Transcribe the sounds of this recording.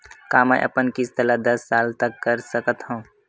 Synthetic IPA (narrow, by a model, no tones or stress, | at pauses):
kaːmɛ̰̃ʔɐ̰pənkɪst̪əlad̪ɐsːaːlt̪əkːəɾsəkət̪ɦũː